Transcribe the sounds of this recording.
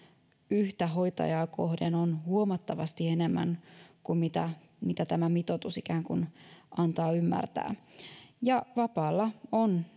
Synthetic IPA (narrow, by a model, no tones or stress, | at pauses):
yht̪æɦo̞jt̪ɑ̰jɑːkohdenonhuomɑt̪ːɑʋɑ̰st̪iene̞mːæ̰ŋkummit̪æ | mit̪æt̪æmæmit̪ot̪usikæːŋkunʔɑnt̪ɑːymːæ̰rt̪æ̰ːjɑʋɑpɑːlːɑon